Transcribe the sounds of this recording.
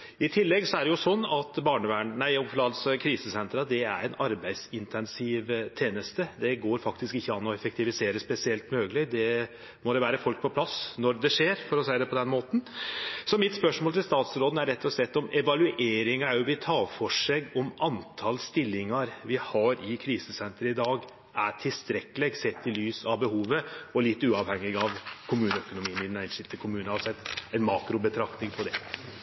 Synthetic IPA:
ɪt̪ʰɪlːɛɡsɔæɖɛjʊsɔnːɑt̪bɑːɳəʋæːɳnæɪɔmflɑːd̪skʰɾiːsəsɛnt̪ɾɑd̪ɛæ̰ɾɛnɑɾbæɪd̪sɪnt̪ʰɛnsɪːʋt̪ʰeːnəst̪əd̪ɛɡoːɾfɑkt̪ɪskɪçːəɑnːɔɛfɛk̚t̪ɪʋɪseːɾəspɛsɪɛlt̪møːɡəlɪd̪ɛ | mɔd̪ɛʋæːɾəfɔlk̚pʰɔpʰlɑsnɔɾd̪ɛʂeːɾfɔɾɔsæɪəd̪ɛpʰɔd̪ɛnmoːt̪n̩sɔmɪt̪spœʂmoːlt̪ʰɪlst̪ɑːt̪sɾoːd̪n̩æɾɛt̪ʰːɔslɛt̪ːɔmɛʋɑlʉʔeːɾɪŋəæɾjʊʋɪt̪ʰɑːfɔʂeːɡɔmɑnt̪ʰɑlst̪ɪlːɪŋɑɾʋɪhɑɾɪkʰɾiːsəsɛnt̪ɾəɪd̪ɑːɡ | æʈʰɪlst̪ɾɛkːəlɛɡsɛt̪ːɪlyːsɑʋbəhuːʋəɔlɪt̪ːʉːɑʋhɛŋːɪɡɑʋkʰʊmʉːnəœkʊnʊmiːnɪnæɪnʂɪt̪ʰːəɪkʰʊmʉːnəɑsɛt̪æɪnmɑːkɾʊbət̪ʰɾɑkt̪nɪŋpʰɔd̪ɛ

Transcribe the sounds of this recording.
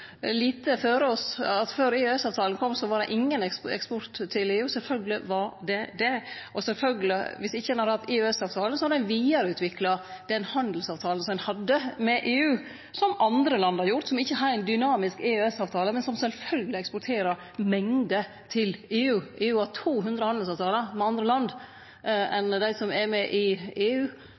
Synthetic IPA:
liːt̪əføːɾəɔsɑt̪føːɾeːʉɛsɑːʋt̪ʰɑːlnkʰɔmːsɔʋɑɖɛ̰ʔɪŋːənɛ̰kspɔɾt̪ʰːɪleːʉːsɛlfœlɡəlɪʋɑɾɖ̪ɛd̪ɛʔɔsɛlfœlɡəlɪʋɪsɪçːəɛnhɑd̪əhɑt̪ːeːʉɛsɑːʋt̪ʰɑːlən̩sɔhɑd̪ɛnʋiːɑɾəʉːt̪ʰʋɪklɑd̪̥ɛnhɑnd̪əl̩sɑːʋt̪ʰɑːlnsɔmɛnhɑd̪ːəmɛʔeːʉː | sɔmɑnd̪ɾəlɑnd̪əɑɾjʊɾt̪sɔmɪçːəɦɾæɪnd̪ʏnɑːmɪskeːʉɛsɑːʋt̪ʰɑːləmɛnsɔmsɛlfœlɡəlɪɛkspʊɾʈ̪ʰeːɾəɾ | mɛŋd̪ə | t̪ʰɪleːʉːʔeːʉːɑt̪ʰuːɦʉnd̪ɾəhɑnd̪l̩sɑːʋt̪ʰɑːləmɛɑnd̪ɾəlɑnd̪ | ɛnd̪æɪsɔmɛɾmɛʔɪeːʉː

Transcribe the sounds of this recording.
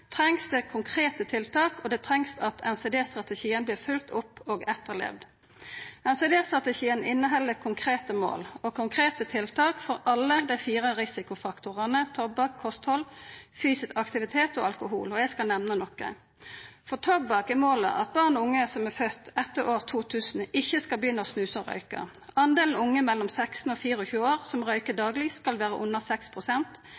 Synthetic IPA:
t̪ʰʁɛŋsd̪ɛːkʰʊŋkʰʁeːt̪ət̪ʰɪlt̪ʰɑːkɔd̪ɛt̪ʰʁɛŋsɑt̪ʰɛnsɛd̪eːst̪ʁɑt̪əʃiːənbliːʁfʉlt̪ʰʊpːoːɡɛt̪ːəʁlɛ̰ːʋd̪ | ɛnsɛd̪eːst̪ʁɑt̪əʃiːənɪnːəɦɛlːəkʰʊŋkʰʁeːt̪əmo̰ːlɔkʰʊŋkʰʁeːt̪ət̪ʰɪlt̪ʰɑːkfɔʁɑlːəd̪æɪfiːʁəʁɪsɪkʊfɑkt̪ʊʁɑnət̪ʰɔbbɑːkʰːɔst̪hɔlfyːsɪsɑkt̪ɪʋɪt̪ʰeːt̪o̰ːɑlkʊɦṵːlɔjæɪskɑlnɛmnənɔkə̰ | fɔʁt̪ʰɔbɑkɛmoːlə̰ʔɑ̰t̪̚bɑːʁnɔʊŋːəsɔmæfœt̪ːɛt̪ːəoːʁt̪ʰuːt̪ʰʉːsn̩ʔɪçːəskɑlb̪iːnɔsnʉːsɔʁœ̰ʏkə̰ʁ | ɑnd̪eːln̩ʊŋːəmɛlːɔmsɛksn̩oːfiːʁəɔçʉːəoːʁsɔmʁœʏkəd̪ɑːɡlɪskɑlʋæːʁəʔʊnːəsɛkspʰʁʊsɛnt̪

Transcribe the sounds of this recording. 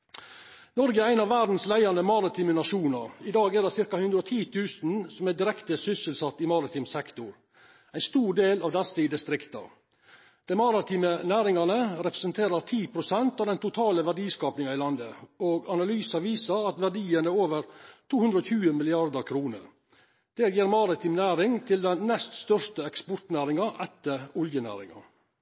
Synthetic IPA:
nɔɾɡəæɪnɑʋæːd̪n̩slæɪɑnəmɑɾɪt̪ʰiːmənɑʂuːnɑɾɪd̪ɑːɡɛɖ̪ɛsɪɾkɑhʉnd̪ɾəot̪ʰiːt̪ʰʉːsn̩sɔmɛd̪ɪɾɛkt̪əsʏsəlsɑt̪ːɪmɑɾɪt̪ʰɪːmsɛkt̪ʊɾ | æɪnst̪uːɖeːlɑʋd̪ɛsəɪd̪ɪst̪ɾɪkt̪ɑ̰ | d̪̥ɛɪmɑɾɪt̪ʰiːmənæːɾɪŋɑnəɾɛpɾəsənt̪ʰeːɾəɾt̪ʰiːpʰɾʊsɛnt̪ɑʋd̪ɛnt̪ʊt̪ʰɑːləʋæɖiːskɑːpnɪŋɑɪlɑnd̪əoːɡɑnɑlyːsɑʋiːsəɾɑt̪ʋæɖiːənəoːʋəɾt̪ʰuːhʉnd̪ɾəɔːçʰʉːəmɪlɪɑɾd̪əɾkʰɾuːnə̰ɾ | d̪̥æːɾjiːɾmɑɾɪt̪ʰiːmnæːɾɪŋt̪ʰɪld̪ɛnnɛst̪st̪œʂtəɛkspʊʈ̪næːɾɪŋɑʔɛt̪ːəɾʊljənæ̰ːɾɪ̰ŋɑ̰

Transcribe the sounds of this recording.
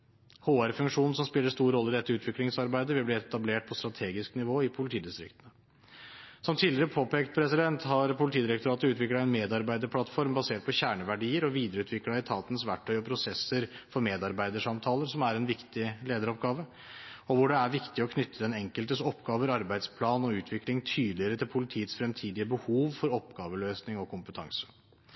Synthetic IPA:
hoːæɾfʉŋkʂuːnn̩sɔmspɪlːəʂt̪uːɾɾɔlːəɪd̪ɛt̪ːəʉːt̪ʋɪklɪŋsɑɾbæɪd̪əʋɪlblɪɛt̪ɑbleːʈ̚pʰɔst̪ɾɑt̪ʰeːɡɪsknɪʋoːɪpʰʊlɪt̪ʰiːd̪ɪst̪ɾɪ̰kt̪ənə | sɔmt̪ʰiːlɪɾəpʰoːpeːkt̪̚pʰɾɛsɪd̪ɛnt̪hɑɾpʰʊlɪt̪ʰiːd̪ɪɾɛkt̪ʊɾɑːt̪əʉːt̪ʋɪklɑɛnmeːd̪ɑɾbæɪd̪əɾpʰlɑt̪fɔɾmbɑseːʈ̚pʰɔɕæːɳəʋæɖiːəɾɔʋiːd̪əɾəʉːt̪ʰʋɪklɑɪt̪ʰɑːt̪ənsʋæʈʰːœʏɔpʰɾʊsɛsːəɾfɔɾmeːd̪ɑɾbæɪd̪əʂɑmt̪ʰɑːləɾsɔmæɾɛnʋɪkt̪ɪleːd̪əɾɔpɡɑːʋə | ɔʋʊɖɛæɾʋɪkt̪ɪɔkʰnʏt̪ʰːəd̪ɛnɛŋkəlt̪əsɔpːɡɑːʋəɾɑɾbæɪd̪spʰlɑːnɔʉːt̪ʰʋɪklɪŋt̪ʰyːd̪lɪəɾət̪ʰɪlpʰʊlɪt̪ʰiːət̪sfɾɛmt̪ʰiːd̪ɪəbəhuːʋfɔɾɔpɡɑːʋəløːsnɪŋɔkʰʊmpət̪ʰɑ̰ŋsə̥

